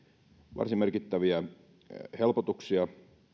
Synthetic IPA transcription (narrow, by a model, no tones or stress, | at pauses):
ʋɑ̰rsimmerkit̪ːæʋiæ | helpot̪uksiɑ